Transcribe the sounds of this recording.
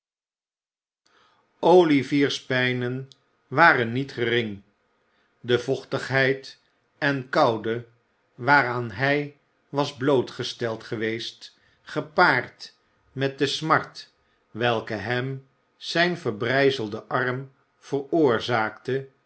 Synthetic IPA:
owliviːɹspɛjnən | ʋaːrənːitχərɪŋ | dəvɔχtəχɦɛjt | ɛnkɑwdə | ʋaːɾaːnɦɛj | ʋɑzblowtχəstɛlˠtχəʋejst | χəpaːrt | mɛt̚dəsmɑɹt | ʋɛlˠkəɦɛm | z̥ɛjnvəɹbrɛjzəlˠdəʔɑrm | v̥ərʊːɹzaːktə

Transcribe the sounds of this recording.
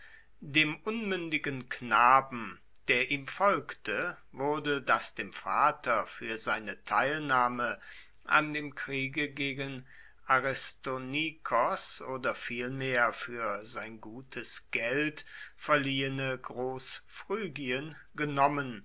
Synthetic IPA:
deːmʔʊnmʏndɪɡənknaːbm̩ | d̥eːɐʔiːmfɔlktʰə | vʊɐdədasd̥eːmfa̰ːtʰɐfyːɐzaɪnətʰaɪlnaːmə | ʔa̰ndeːmkʁ̥iːɡəɡeːɡən | ʔaʁɪstonikʰɔsʔoːdɐfiːlmeːɐfyːɐzaɪnɡuːtʰəsɡ̥ɛltfɛɐliːənəɡʁoːsfʁ̥yːɡiən | ɡənɔmən

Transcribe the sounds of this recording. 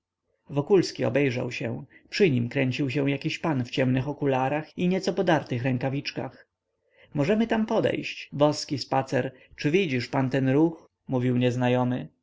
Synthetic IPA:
vɔkulskʲiɔ̰bɛjʐa̰wɕɛ̃pʂɘɲimkɾɛɲt͡ɕiwɕɛw̃jakʲiɕpanft͡ɕɛmnɘxɔkulaɾaxiɲɛt̪sɔpɔd̪aɾt̪ɘxɾɛŋkavʲit͡ʂka̰x | mɔʐɛmɘt̪ampɔd̪ɛ̰jɕt͡ɕbɔskʲispat̪sɛɾ | t͡ʂɘvʲid͡ʑiʂpant̪ɛnɾux | muvʲiwɲɛznajɔmɘ

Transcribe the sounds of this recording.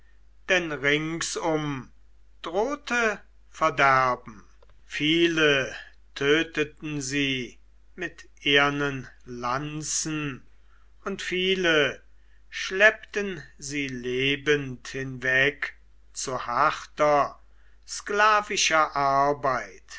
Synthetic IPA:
d̥ɛnʁɪŋsʊm | d̥ʁoːtʰə | fɛɐdæɐbm̩ | fiːlə | tʰøːtətn̩ziː | mɪtʔeːɐnənlant͡sn̩ | ʊntfiːlə | ʃlɛptənziːleːbənthɪnvɛk | t͡suɐhaχtɐ | sklaːvɪʃɐʔaɐbaɪt

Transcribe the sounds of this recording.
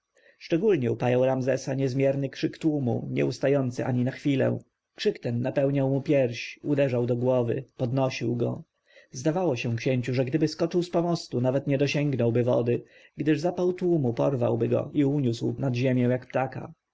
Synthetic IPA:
ʂt͡ʂɛɡulɲɛupajawɾamzɛsaɲɛzmʲjɛɾnɘkʂɘkt̪wumṵɲɛ̰ust̪ajɔnt̪sɘʔa̰ɲinaxfʲilɛ̰̃ | kʂɘkt̪ɛnːapɛwɲawmupʲjɛɾɕud̪ɛʐawd̪ɔɡwɔvɘ̰pɔd̪nɔɕiwɡɔ̰ | zd̪avawɔɕɛ̃kɕɛɲt͡ɕuʐɛɡd̪ɘbɘskɔt͡ʂɘwspɔmɔst̪unavɛt̪ɲɛd̪ɔɕɛŋɡnɔwbɘvɔ̰d̪ɘ | ɡd̪ɘʐzapawt̪wumupɔ̰ɾva̰wbɘɡɔ̰ʔiuɲuswnad̪ʑemʲjɛ̃w̃jakpt̪aka̰

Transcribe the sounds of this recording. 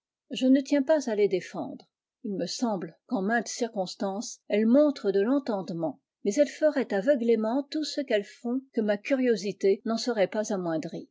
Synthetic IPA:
ʒənət̪jɛ̃pazaled̪efɑ̰̃d̪ʁ | ilməsɑ̃blkɑ̃mɛ̃t̪siʁkɔ̃st̪ɑ̃sɛlmɔ̃t̪χəd̪əlɑ̃t̪ɑ̃d̪mɑ̃ | mɛzɛlfəʁɛt̪avəɡlemɑ̃t̪usəkɛlfɔ̃kəmakʲyʁjozit̪enɑ̃səʁɛpazamwɛ̃d̪ʁi

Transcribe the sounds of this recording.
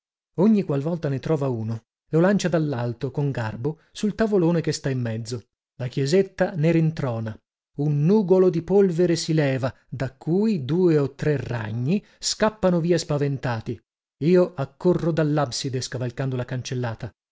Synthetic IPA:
oɲːikwalvɔlt̪anet̪ɾɔːvauːno | lolant͡ʃad̪alːalt̪okoŋɡarbo | sult̪avoloːnekest̪aimːɛd̪zːo | lakjɛzet̪ːaneɾint̪ɾɔːna | unːuːɡolod̪ipolveɾesilɛːva | d̪akʰːuːid̪uːeot̪ːɾera̰ɲːi | skapːanoviːaspavent̪aːt̪i | iːoakːorːod̪alːabsid̪eskavalkand̪olakant͡ʃelːaːt̪a

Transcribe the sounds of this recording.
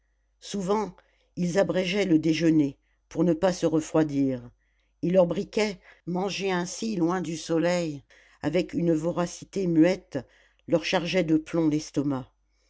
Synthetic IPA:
suvɑ̃ | ilzabʁɛʒɛləd̪eʒəne | puʁnəpasəʁəfχwad̪iːʁ | ilːœʁbʁikʲɛmɑ̃ʒeɛ̃silwɛ̃d̪ysɔlɛj | a̰vɛkynvɔʁasi̥t̪emɥɛt̪ | lœʁʃaʁʒɛd̪əplɔ̃lɛst̪ɔma

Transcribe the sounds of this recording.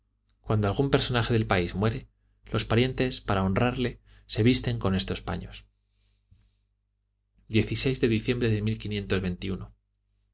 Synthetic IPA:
kwand̪o̞alɣumpe̞ɾso̞naxe̞ðe̞lpaizmwe̞ɾe̞ | lo̞spaɾje̞nt̪e̞spaɾao̞nraɾle̞ | se̞β̞ist̪e̞ŋko̞ne̞st̪o̞spa̰ɲo̞̰s | d̪je̞θise̞jzðe̞ðiθje̞mbɾe̞ðe̞milkinjẽ̞nt̪o̞zβe̞nt̪iuno

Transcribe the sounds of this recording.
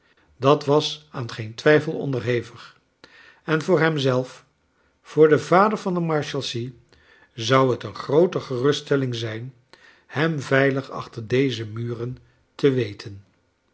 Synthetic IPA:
dɑtʋɑsaːnχejntʋɛjfəlˠɔ̰ndəɹɦejvəχ | ɛnvʊːɹɦɛmzɛlˠf | fʊːɹdəvaːdəɹvɑndəmɑɹʃɛlˠsi | zɑwɦətənχrowtəχərɵstɛlɪŋzɛjn | hɛmvɛjləχɑ̰χtəɹdejzəmyːrən | təʋejtʰən

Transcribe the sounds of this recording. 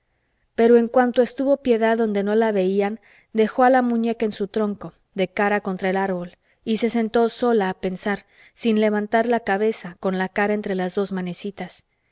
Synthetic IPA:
pe̞ɾo̞e̞ŋkwant̪o̞e̞st̪uβo̞pje̞ðaðo̞nd̪e̞no̞laβe̞ian | d̪e̞xo̞alamũɲe̞kaensut̪ɾo̞ŋko̞ | ðe̞kaɾako̞nt̪ɾae̞laɾβo̞l | ise̞se̞nt̪o̞so̞laːpe̞nsaɾ | sinle̞β̞ant̪aɾlakaβe̞sako̞nlakaɾae̞nt̪ɾe̞lazðo̞zmane̞sit̪as

